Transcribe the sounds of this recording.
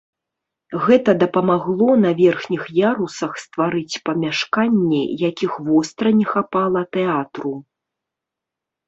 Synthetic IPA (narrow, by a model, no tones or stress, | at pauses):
ɣɛt̪ɐd̪ɐpɐmaɣlˠɔnɐvʲɛrxnʲixjaɾusɐxst̪vaɾɨt͡sʲpɐmʲaʂkanʲːɛjakʲixvɔst̪ɾɐnʲɛxapalˠɐt̪ɛat̪ɾu